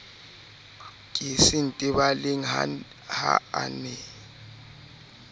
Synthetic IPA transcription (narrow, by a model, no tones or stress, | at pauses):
kʼisin̩tʼɪbalɪŋ̩a̰ | ha̰a̰nɛ